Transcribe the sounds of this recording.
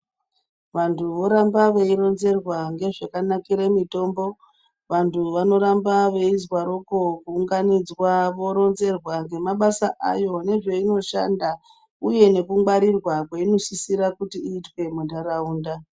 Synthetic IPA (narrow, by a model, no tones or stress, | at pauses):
ʋantʰuʋo̞ɾambaʋeiɾo̞nze̞rwaŋɡe̞ʐakanakiɾemito̞ːmbo̞ | ʋantʰuʋano̞ɾambaʋe̞izwaɾoko̞kuːŋɡanid͡zwaʋo̞ɾo̞nze̞rwaŋɡe̞maɓasaʔajo̞ne̞ʐe̞ino̞ʃanda | uje̞ne̞kuŋwaɾirwakweino̞sisiɾakutiːtwe̞mundaɾauːnda